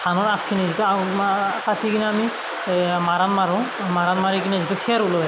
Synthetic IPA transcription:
tʰanɔɹapʰkʰːinizituatatʰikiniami | maɾanmaɹũ | maɾanmaɹikinɛzituxʰɛɾulɔɛ

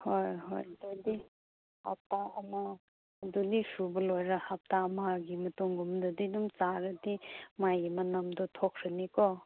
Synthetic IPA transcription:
hojɦojd̪udi | ha̰p̚taɐmaː | dudisubɐlojɾahap̚tamaɡimɐtuŋɡumd̪ɔdidumt͡ʃaɾɐdimajɡimɐnɐmd̪ɔt̪ʰokʰɾenikɔ

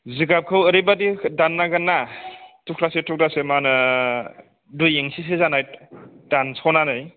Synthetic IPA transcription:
ziɡap̚kʰɯwəɾejbadidanːaɡanːatʰukʰlasetʰuk̚dasemanɯ | dujeŋsis̬ezanajd̥ansʰɔnanɯj

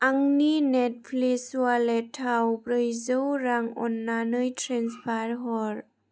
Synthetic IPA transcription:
ʔaŋninɛt̚pʰlesualɛtʰawpɾɯjzɯwɾaŋɔ̰nːanɯjtʰɾenspʰaɾɦɔɾ

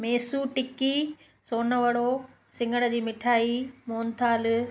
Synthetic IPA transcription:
meːsuʈɪki | soːnəʋəɽo | sɪ̃ŋɡəɽ̃ə̆d͡ʑiːmɪʈʰaːimoːnt̪ʰaːl

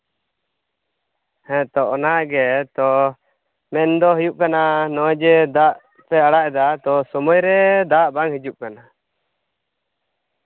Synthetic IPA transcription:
hɛ̃t̪ɔʔɔnaʔɡɛt̪ɔ | mɛnd̪ɔɦujuʔkananɔd͡ʒɛd̪aʔ | pɛaɽaʔɛd̪at̪ɔsɔmɔjɾɛd̪aʔbaŋhid͡ʒuʔkana

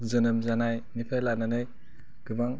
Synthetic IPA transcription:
zɯnɯmzanajnipʰelananɯj | ɡ̥ɯbaŋ

